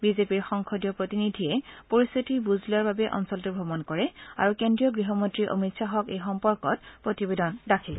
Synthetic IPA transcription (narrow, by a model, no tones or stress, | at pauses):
bizepiɹxɔŋkʰɔdjɔpɹotinidʱiɛpoɹist̪ʰitibuzlaɹbabɛʔɔ̰nsɔltubʱɔbɔnkɔɹɛa̰ɹukendɹijɔɡɹiɦɔmontɹiʔo̰mitsaɦɔkejxɔmpɔɹkɔt̚pɹotibedɔndakʰil